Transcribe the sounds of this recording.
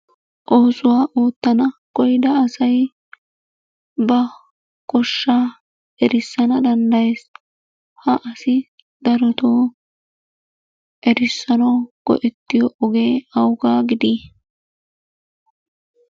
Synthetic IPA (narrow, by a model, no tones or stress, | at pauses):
ʔo̞ːsʊwaːʔoːt̪ːɐnɐkɔjd̪ɐːsɐj | bɐ | kʼɔʃːaː | ʔɛɾɪsːɐnɐd̪ɐnd̪ɐjeːs | hɐʔɐsɪ | d̪̥ɐɾɔt̪oː | ʔɛɾɪsːɐnɐwɡ̥ɔ̰ʔɪt̪ːɪjɔʔɔɡeːɐwʊɡaːɡɪd̪iː